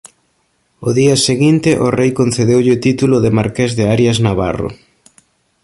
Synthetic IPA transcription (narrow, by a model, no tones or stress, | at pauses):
ʊðiɐseɣint̪ɪʔʊrejkonθeðewʎɪt̪it̪ulʊðɪmaɾkezðɪaɾjaznaβa̰rʊ̰